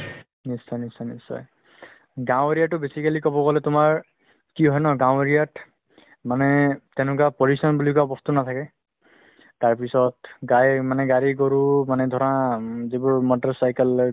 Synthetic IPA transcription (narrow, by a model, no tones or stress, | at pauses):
nisːɔjnisɔjnisɔ̰j | ɡãw̃eɹijatːʊbesikalikɔbɔɡɔlɛtʊmaɹ | kiɦɔjnɔɡãw̃eɹijat | manɛtɛnʊ̃kapɔɹisɔnbulikuabɔstunat̪ʰakɛ | taɹpisɔtɡajmanɛɡaɹikɔɹumanɛd̪ʱɔɹɔnazibʊɹmɔtaɹsajkɛl